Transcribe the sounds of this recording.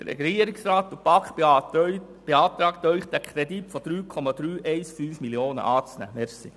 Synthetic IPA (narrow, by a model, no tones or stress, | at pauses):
d̥əɾɛ̰ɡiəɾɪksɾɑːt̪ːupɑkχ | b̥eɑːt̪ɾɑːkt̪œʏχt̪ækʰɾɛd̪itfɔd̥̪ɾyːkʰɔmɑd̪ɾyːʔɛɪsfyːfmiljoːnə̰ʔɑːt͡snæ̰mɛsḭ